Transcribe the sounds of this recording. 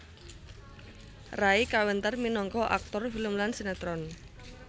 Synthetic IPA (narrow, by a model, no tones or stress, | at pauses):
raikawənt̪ərminɔŋkɔʔa̰k̚t̪ɔrfiləmlansenat̪ɾɔn